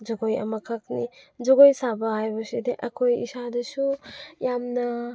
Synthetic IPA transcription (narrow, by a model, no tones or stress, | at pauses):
d͡ʒɔɡoja̰makʰak̚nid͡ʒɔɡojsabaɦajbɔsideʔɐkʰojḭsadɯsujamna